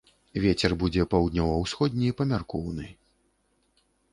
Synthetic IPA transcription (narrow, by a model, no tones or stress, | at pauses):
vʲet͡sʲɛrbud͡zʲɛpawd̪ʲnʲɔwɐwsxɔd̪ʲnʲipɐmʲarkɔwnɨj